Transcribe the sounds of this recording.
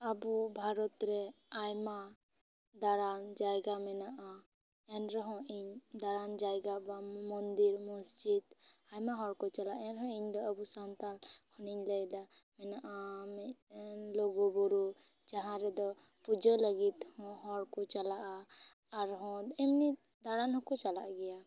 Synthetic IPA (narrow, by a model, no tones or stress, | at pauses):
abubʱaɾɔt̪ɾɛ | ajma | d̪aɾand͡ʒajɡamɛnaʔa | ɛnɾɛɦɔ̃ʔiɲd̪aɾand͡ʒajɡabamɔnd̪iɾmɔsd͡ʒid̪ajmaɦɔɽkɔt͡ʃalaʔɛnɾɛɦɔ̃iɲd̪ɔəbusant̪alkʰɔniɲləjd̪a | mɛnaʔamɛlɔɡɔbɔɾu | d͡ʒaɦãɾɛd̪ɔ | pud͡ʒələɡit̪hɔ̃ɦɔɽkɔt͡ʃalaʔaː | ɾɦɔ̃ɛmni | d̪aɾanhɔ̃kɔt͡ʃalaʔaɡɛja